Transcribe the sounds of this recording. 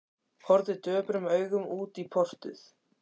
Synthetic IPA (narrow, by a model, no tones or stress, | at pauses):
hɔɾðɪt̪œːpɾʏmœːɥɣʏmuːt̪ipʰɔr̥t̪ʏ̰θ